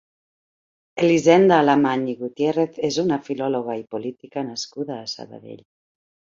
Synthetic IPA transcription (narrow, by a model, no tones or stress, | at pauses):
elizend̪aːlamaɲiɣut̪jereθezunafiloloɣaipolit̪ikanaskuðaːsa̰βa̰ðḛʎ